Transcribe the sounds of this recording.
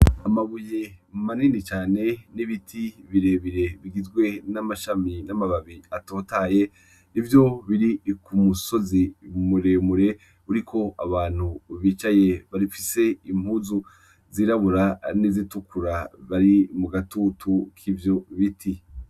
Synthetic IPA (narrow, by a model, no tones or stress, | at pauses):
amaβuje̞maninit͡ʃaːne̞niβitʰiβiɾeβiɾe̞βiɡizɡwe̞namaʃaminamaβaβiato̞ːtaje̞ | nivjo̞βiɾikʰumuso̞zimuɾemuɾe̞ | uɾikʰo̞aβaːn̥huβiːt͡ʃaje̞βaɾifise̞im̥huːzu | ziɾaβuɾanizitukuɾaβaɾimuɡatutʰukʰivjo̞βitʰi